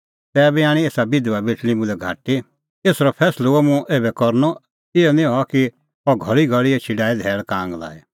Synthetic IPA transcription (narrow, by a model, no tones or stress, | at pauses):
t̪ɛːbiaːɽ̃ieːsabɪd̪uabɪʈʰlimʊ̃lɛɡʱa̰ːʈi | eːsɾɔpʰɛːsloomũʔeːbɛkɔɾnɔ | ɪjɔnĩɦɔki | ɔɡʱɔɭiɡʱɔɭiet͡ʃʰiɖaːid̪ʱɛːɭkãːŋɡla̰ːɛ